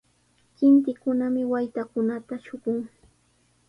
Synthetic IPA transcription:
kɪnt̪ɪkʊnamɪwajt̪akʊnat̪aʃʊɢʊŋ

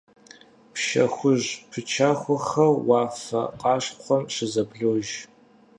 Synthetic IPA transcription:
pʰʃɐ̰xʷʊʑpʰɨt͡ʃʰaːxʷɔχɐrwaːfɐ̰qɑːɕχʷɔmɕɪzɐbɮoːʒ

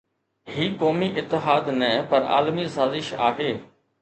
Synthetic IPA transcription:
ɦiːkoːmiʔɪt̪ːɪɦaːd̪nɛːpɐɾa̰ːlmisaːzɪʃa̰ːɦeː

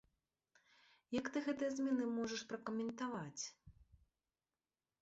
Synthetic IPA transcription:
jakt̪ɨɣɛt̪ɨjɐzʲmʲɛnɨmɔʐɐʂpɾɐkɐmʲɛnt̪avat͡sʲ

